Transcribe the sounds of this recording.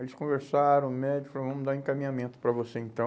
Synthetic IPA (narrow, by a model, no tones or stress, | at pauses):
elɪskõveɾsaɾɐ̃w̃mɛd͡ʒikfalõvɐ̃mʊd̪aẽkamĩɲamẽnt̪ʊ̥pɾɐvoseẽnt̪ɐ̃